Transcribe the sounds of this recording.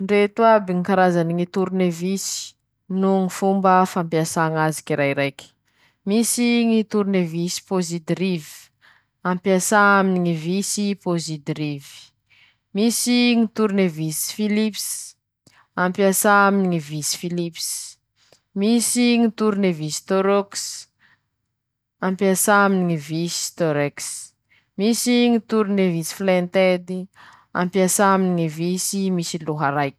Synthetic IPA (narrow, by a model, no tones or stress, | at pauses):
ɳɖ͡ʐet̪wabiŋikaɾazaniŋit̪uɾunevisi̥ | nuŋifumbəfampjasaŋazi̥kiɾajɾajkʲ | misiŋit̪uɾunevisi̥pozid̪rivi̥ | ampjasaaminiŋivisipozid̪ɾivi̥ | misiŋit̪uɾnevisi̥filips | ampiasaminiŋivisi̥filips | misiŋit̪uɾinevisi̥t̪oɾoks | ampjasaminiŋivisi̥t̪oɾeks | misiŋit̪uɾunevisi̥flent̪ed̪i | a̰mpiasaminiŋivisimisiluɦaɾajk